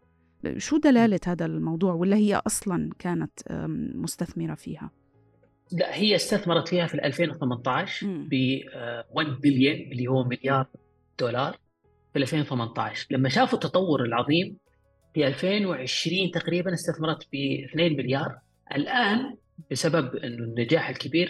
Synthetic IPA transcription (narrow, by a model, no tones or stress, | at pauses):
ʃuːd̪alaːlathaːðalmɑwðˤuːʕwɪlːahɪjːa̰ʔɑsˤlɑnkaːnat̪mʊst̪aθmɪɾafḭːha̰ | laʔhɪjːaɪst̪aθmɑɾˤɑt̪fiːhafilʔa̰lfeːnwɪθamant̪ɑʕʃbɪwand̪bɪljaʔɪlːihuwːmɪljɑːɾˤ | d̪̥uːlɑːɾˤ | fiʔalfeːnwθɪmant̪ˤɑʕʃlamːaʃaːfut̪ːɑt̪ˤɑwːʊɾɪlʕɑðˤiːm | fiʔalfeːnwʕɪʃɾiːnt̪aqɾiːbanɪst̪aθmɑɾˤɑt̪bɪθneːnmɪljɑːɾˤ | ʔa̰lʔaːn | bɪsababʔɪnːunːad͡ʒaːħɪlkɪbiːɾ